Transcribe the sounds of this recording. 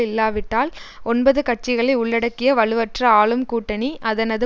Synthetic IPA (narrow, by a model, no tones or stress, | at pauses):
ɪlːaːʋɪʈːaːlɔnbɐðɯkɐʈ̚t͡ʃɪɣɐɭɐɪʊɭːɐɽɐkːɪjɐʋɐɭɯʋɐʈrɐaːɭɯmkuːʈːɐɳiʔɐðɐnɐðɯ